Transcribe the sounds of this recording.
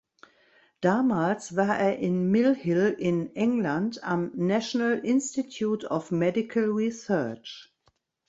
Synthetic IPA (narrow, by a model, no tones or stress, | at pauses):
d̥amaːlsvəɐʔɛɐʔɪ̃nmɪlhɪlɪ̃nɪ̃ŋlãndãmnæʃɔnalɪ̃nstitʰjuːtʰɔfmɛdɪkʰəlɹisɜt͡ʃ